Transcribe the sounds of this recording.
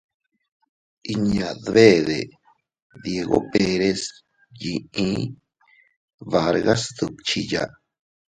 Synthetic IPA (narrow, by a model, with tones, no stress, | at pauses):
i˧ɲã˨ðβe˦ðe˨ | ðje˧ɣo̰˦pe˧ɾe˦s | ji˨ĩ˦ | βa˧ɾɣa˦sd̪u˨t͡ʃi˧ja̰˨